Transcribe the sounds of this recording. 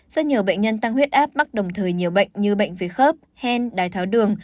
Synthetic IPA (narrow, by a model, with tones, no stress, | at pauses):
zə̰˦˥ɲi˨˩əwɓə̰˧˨jŋ̟ɲə˧nt̪a˧ŋhwi˦˥ət̚ʔaː˦˥p̚ɓa˦˥t̚ɗə˨˩wŋ͡mt̪ʰəː˨˩jɲi˨˩əwɓə̰˧˨jŋ̟ɲɨ˧ɓə̰˧˨jŋ̟ve˨˦xəː˦˥p̚hɛ˧nɗaː˨˩jt̪ʰaː˨˦wɗɨ˨˩əŋ